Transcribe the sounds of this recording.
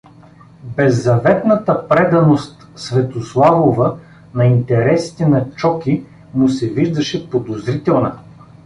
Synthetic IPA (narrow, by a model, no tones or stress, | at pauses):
bɛzːɐvɛt̪nɐt̪əpɾɛd̪ɐnost̪ | svɛt̪oslˠavovə | nɐint̪ɛɾɛsi̥t̪ɛnɐt͡ʃɔki | mʊsɛviʒd̪ɐʃɛpod̪ozɾit̪ɛlˠnɐ